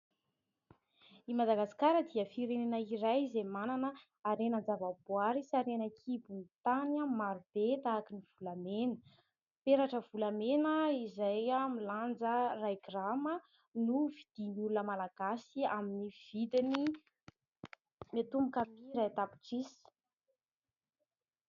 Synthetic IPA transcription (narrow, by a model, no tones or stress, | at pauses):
imad̪aɡasi̥kaɾəd̪iəfiɾenenəiɾajzemananə | aɾenənd͡zavabwaɾisaɾenəkʰibunit̪anamaɾub̥et̪aːkiniv̥ulamenə̥ | peɾaʈ͡ʂəv̥ulamenəizajamiland͡zərajɡramə | nuvid̪̥inulunəmalaɡ̥asiaminiv̥id̪ini | met̪umbukamiɾajt̪api̥ʈ͡ʂisi̥